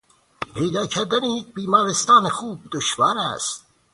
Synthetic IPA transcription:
pʰejd̪ɑːkʰæɾd̪ænejek̚biːmɑːɾest̪ɑːnexuːb̚d̪oʃvæɾæ̰st̪

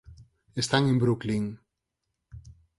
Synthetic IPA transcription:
est̪aŋẽmbɾukliŋ

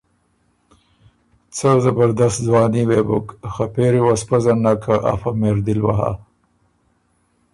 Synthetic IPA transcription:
t͡səzabaɾd̪ast̪̚zwɑːniwebʊkxapeɾiwaspazanːakʰaʔa̰fameɾd̪ilwa̰ɦa̰

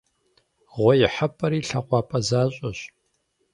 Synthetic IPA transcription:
ʁʷɔjɪħapʼɐɾiːɬɐqʷɑːpʼɐzaːɕʼɐɕ

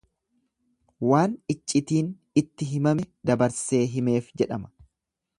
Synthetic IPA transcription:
waːnɪt͡ʃʼːɪt̪iːn | ɪt̪ːɪɦɪmɐmɛd̪ɐbɐɾse̞ːɦɪme̞ːfd͡ʒɛᶑɐmɐ̥

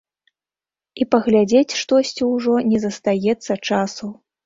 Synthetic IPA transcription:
ipɐɣlʲad͡zʲet͡sʲʂt̪ɔsʲt͡sʲiwʐɔnʲɛzɐst̪ajɛt̪sːɐt͡ʂasu

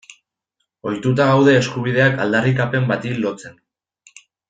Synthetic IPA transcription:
o̞jt̪ut̪aɣawð̞e̞ːskuβ̞ið̞e̞aka̰ld̪arikape̞mbat̪ilo̞t͡se̞n

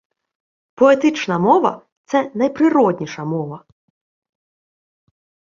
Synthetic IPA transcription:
pɔet̪ɪt͡ʃnɐmɔʋɐ̰ | t̪sɛnɐjpɾɪɾɔd̪ʲnʲiʂɐmɔʋɐ

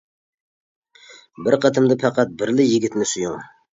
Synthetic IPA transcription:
bɪɾqʰɑt̪ʰɨmd̪ɑpʰæqɑt̪̚bɪɾlɪjiɡʲit̪ʰɪnɪsujuŋ

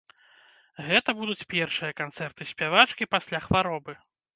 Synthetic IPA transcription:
ɣɛt̪ɐbud̪ut͡sʲpʲɛrʂɨjɐkant̪sɛrt̪ɨsʲpʲavat͡ʂkʲipasʲlʲaxvaɾɔbɨ

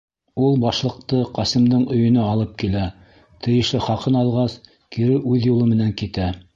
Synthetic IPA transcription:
ulˠbɑʃlˠɤ̆q̚t̪ɤqɑsɘ̆md̪ɤɴɵ̆jɵ̆nɘɑlˠɤp̚kilæ | t̪ʰɘ̆jɘ̆ʃlɘχɑqɤnɑlˠʁɑs | kiɾɘʔʉðjulˠɤmɘ̆næŋkit̪æ

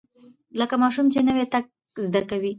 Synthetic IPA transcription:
ləkamɑʃumt͡ʃenəwet̪ak̚ | zd̪akawi

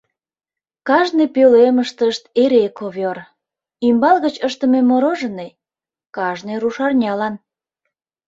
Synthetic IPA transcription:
kɑʒnepøleməʃt̪əʃt̪eɾekoβor | imbɑlɣət͡ɕəʃt̪ə̆memoɾoʒəne | kɑʒneɾuʃɑrnʲɑlɑn

